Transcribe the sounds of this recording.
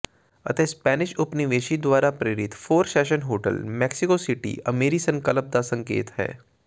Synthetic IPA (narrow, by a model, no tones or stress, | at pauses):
ɐ̰t̪espɛːnɪʃʊpniʋeːʃid̪wʋaːɾapɾeːɾɪt̪foːɾsɛːʃənɦoːʈə̰lmɛːksɪkosɪʈḭɐmeːɾisɐ̃ŋkələp̚d̪asɐ̃ŋkḛːt̪ɦɛ̰ː